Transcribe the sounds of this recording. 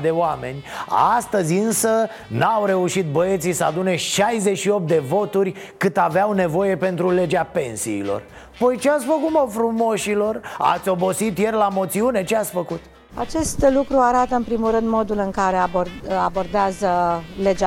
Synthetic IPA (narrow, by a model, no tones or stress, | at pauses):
d̪e̞oame̞nʲa̰st̪əzʲɨnsə | nawɾe̞uʃit̪̚bəe̞t̪sijsəa̰d̪une̞ʃajze̞ʃio̞p̚t̪̚d̪e̞vo̞t̪urʲkɨt̪aveawne̞vo̞je̞pe̞nt̪ɾule̞d͡ʒape̞nsḭːlo̞̰r | pojt͡ʃeat̪sʲfəkut̪mofɾumo̞ʃilo̞ra̰t̪sʲo̞bo̞sit̪je̞rlamo̞t̪siune̞t͡ʃeat̪sʲfəkut̪ | a̰t͡ʃe̞st̪lukɾuaɾat̪əɨnmpɾimulɾɨnd̪mo̞d̪ulɨŋkaɾe̞aboabo̞rd̪eazəle̞d͡ʒa